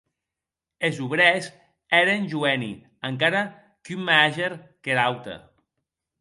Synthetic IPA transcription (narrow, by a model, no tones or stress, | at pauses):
ezuβɾɛz | ɛɾenʲʒuɛnḭ | əŋkaɾa | kymːaaʒeɾkeɾawt̪ḛ